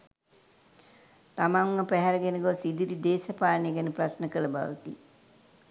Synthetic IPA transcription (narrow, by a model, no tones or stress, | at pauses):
t̪amaŋːəpæɦɛɾəɡɛnəɡosid̪iɾid̪eːsəpaːnejeɡænəprasnəkələba̰ʋə̰t̪ḭ